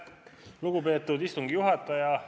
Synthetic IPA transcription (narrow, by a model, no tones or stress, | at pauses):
luɡupe̞ːt̪ːˑud̪ist̪uŋɡ̥ijuɦɑt̪ːˑɑjɑ